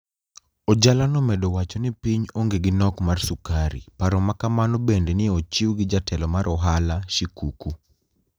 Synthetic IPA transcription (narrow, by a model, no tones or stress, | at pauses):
od͡ʒalanɔmɛdɔwat͡ʃɔnipiɲoŋɡeɡɪnɔkmarsukaɾḭpaɾɔmakamanɔbendenɪot͡ʃiwɡɪd͡ʒatʰɛlɔmaɾʔɔɦalaʃikuku